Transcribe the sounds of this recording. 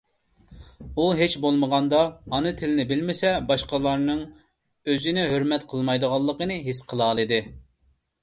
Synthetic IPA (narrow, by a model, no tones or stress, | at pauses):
uɦet͡ʃbolˠməʁɑnd̪ɑhɑnɨt̪ʰɪlɪnɪbɪlmɪsɛbɑʃqɑlˠɑɾnɨŋ | øzynɪɦøɾmɛt̪qʰəlˠmɑjd̪əʁɑlˠːəqənɨɦisqʰəlˠɑːlˠɨd̪ɨ